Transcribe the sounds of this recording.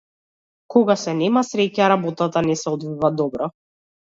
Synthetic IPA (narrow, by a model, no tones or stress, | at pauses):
kɔɡasɛnɛmasɾɛcaɾabɔt̪at̪anɛsɛɔd̪vivad̪ɔbɾɔ